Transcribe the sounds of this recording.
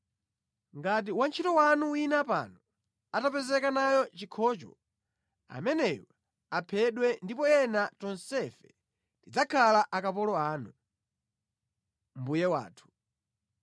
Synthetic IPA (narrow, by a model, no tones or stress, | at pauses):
ŋɡat̬iwant͡ʃʰitɔwanuwinapa̰nɔ | atapɛzɛkanajɔt͡ʃikʰɔt͡ʃɔ̰ | a̰mɛnɛjɔ | apʰɛɗwɛndipɔjɛnatɔnsɛfɛ̥ | tid͡zakʰalaʔakapɔlɔaːnu | m̩bujɛwa̰ːtʰu̥